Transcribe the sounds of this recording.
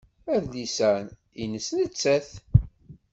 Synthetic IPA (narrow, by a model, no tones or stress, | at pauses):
æðlisæn | ḭnəsnət͡sːæθ